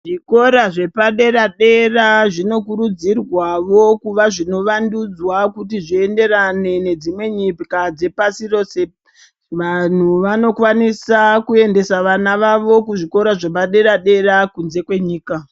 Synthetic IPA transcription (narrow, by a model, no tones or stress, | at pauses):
ʐiko̞ɾaʐe̞paɗe̞ɾaɗe̞raʐino̞kuɾud͡zirwaʋo̞kuʋaʐino̞ʋandud͡zwakutiʐiende̞ɾane̞ne̞d͡zimwe̞ɲipikad͡ze̞pasiro̞se | ʋan̤uʋano̞kwanisakue̞nde̞saʋanaʋaʋo̞kuʐiko̞ɾaʐe̞p̬aɗe̞ɾaɗe̞ɾakunze̞kwe̞ɲiːka